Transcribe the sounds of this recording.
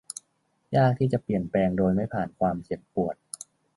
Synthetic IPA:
jaː˥˩k̚t̪ʰiː˥˩t͡ɕa˨˩pli˨˩ənplɛː˧ŋdoː˧jma˥˩jpʰaː˨˩nkʰwaː˧mt͡ɕe˨˩pːu˨˩ət̪̚

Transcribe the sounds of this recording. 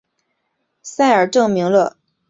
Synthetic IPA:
sa˥˩ɪə˞˨˩ʈ͡ʂɤ˥˩ŋmi˧˥ŋlə˧

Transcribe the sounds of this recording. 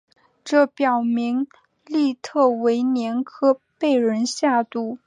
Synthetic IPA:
ʈ͡ʂɤ˥˩pjɑ˨˩ʊmi˧˥ŋ | li˥˧t̪ʰɤ˥˩we˧˥ɪnjɛ˧˥nkʰɤ˥pe˥˩ɪɻə˧˥nɕja˥˧t̪u˥˩

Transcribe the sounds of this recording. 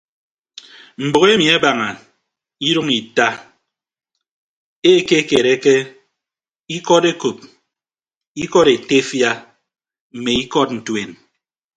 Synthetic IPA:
m̩˨bo˨ɣe˦mi˨e˦ba˨ŋa˨ | i˦ɾu˦ŋi˨ta˦ | e˦˨ke˦ke˨ɾe˦ke˦ | i˦kɔ˦ɾe˦ko˨p̚ | i˦kɔ˦ɾe˨te˦fja˦ | m̩˨me˨i˦kɔ˦tn̩˨twe˨n

